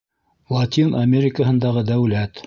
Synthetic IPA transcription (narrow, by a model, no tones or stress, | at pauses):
lˠɑt̪ʲinɐmʲeɾʲɪkəɦɤ̆nd̪ɑʁɤd̪æwlæt̪